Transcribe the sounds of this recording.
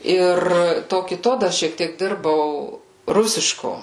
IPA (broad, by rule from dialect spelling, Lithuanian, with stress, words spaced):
ˈɪr ˈtoː kʲɪˈtoː ˈdɐr ʃʲiɛk ˈtʲiɛk ˈdʲɪrbɐʊ ˈrʊsʲɪʃkoː